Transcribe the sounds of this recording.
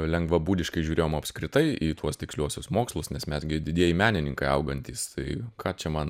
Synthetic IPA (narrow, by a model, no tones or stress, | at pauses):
lʲɛŋɡʋɐbuːd̪ʲɪʃkɐɪʒʲuːɾʲeːjoːmɐpskɾʲɪt̪ɐɪiːt̪ʰuɔst̪ʲɪksʲlʲuɔsʲʊsmoːkslˠʊsnʲɛsmʲɛsɡʲɪd̪ʲɪd̪ʲiɛjimʲæːnʲɪnʲɪŋkɐɪɐʊɡɐnʲt̪ʲiːst̪ɐɪkʰɑːt͡ʃʲɛmɐn